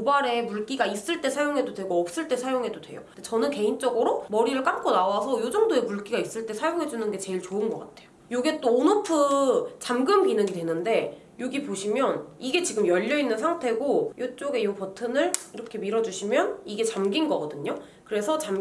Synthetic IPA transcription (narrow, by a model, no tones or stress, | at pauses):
obaɾe̞muɭk͈iɡais͈ɯɭt͈e̞sʰajoŋɦe̞dodwe̞ɡoʌp̚s͈ɯɭt͈e̞sʰajoŋɦe̞dodwe̞̰jo̰det͡ɕʌnɯnke̞int͡ɕ͈ʌɡɯɾomʌɾiɾɯɭk͈amk͈ʰonawasʰʌjod͡ʑʌŋdoe̞muɭk͈iɡais͈ɯɭt͈esʰajoŋɦe̞d͡ʑunɯnɡe̞t͡ɕe̞iɭt͡ɕoɯnɡʌk͈atʰe̞̥jo | joɡe̞t͈oːnʌpʰɯt͡ɕamɡɯmkinɯŋidwe̞nɯnde̞ | joɡipoɕʰimjʌniɡe̞t͡ɕiɡɯmjʌʎːʌinːɯnsʰaŋtʰe̞ɡojot͡ɕ͈oɡe̞jopʌtʰɯnɯɭiɾʌkʰe̞miɾʌd͡ʑuɕʰimjʌniɡe̞t͡ɕamɡinɡʌɡʌdɯɲo | kɯɾe̞sʰʌt͡ɕam